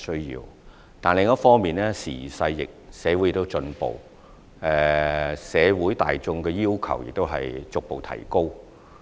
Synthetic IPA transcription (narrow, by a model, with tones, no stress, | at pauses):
sɵ˥ɥjḭː˧w | t̪aː˨nlɪ˨ŋːɔ˥fɔː˥ŋmiː˨˩nɛː˥sḭː˨˩sɐ˧jːɪ̰˨k̚sɛː˨˧wu˨˥jɪ˨kt̪o˥wt͡sɵ˧npo̰˨˩w | ɛ˧sɛː˨˧wuː˨˥jt̪a̰ː˨jt͡sʊ˧ŋkɛː˧jiː˥wkʰɐ̰˨˩wjɪ̰˨k̚t̪o˥wɦɐ˨jt͡sʊ˨k̚po˨wt̪ʰɐ̰˨˩jko˥w